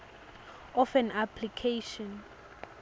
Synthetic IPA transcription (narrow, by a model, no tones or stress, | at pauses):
ɔfɛnapʰlikʰejʃɔ̃n